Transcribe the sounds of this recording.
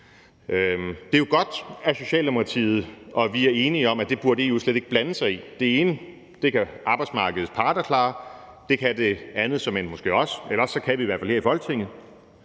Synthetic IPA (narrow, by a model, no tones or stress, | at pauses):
ød̥e̝joɡ̥ɒ̽d̥æso̝ɕɛ̰ːld̥e̝mokʰɑ̈t͡sʰḭːð̩ˠʔɒ̽ʋiæɐe̝ːniɒ̽mæd̥e̝b̥uɐd̥e̝jo̝sleɾ̥e̝ɡ̥əb̥lænəsɑ̈ɪid̥e̝e̝ːnə | d̥e̝kʰæʔɑ̈ːb̥ɪdsmɑ̈ːɡ̥əð̩ˠspʰɑ̈ːd̥ɐkʰlɑ̰̈ː | d̥e̝kʰææd̥e̝ænð̩ˠsɒ̽me̝nmosɡ̥e̝̰ːɒ̽selɐɒsːɒ̽kʰæʋiːʋæɐfælheɐifɒ̽l̥t͡sʰe̝ŋ̰ð̩ˠ